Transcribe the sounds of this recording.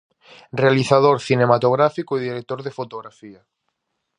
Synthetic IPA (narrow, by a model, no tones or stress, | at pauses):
realiθað̞oɾθinemat̪oɣɾafikoiðiɾek̚t̪oɾðefot̪oɣɾafiɐ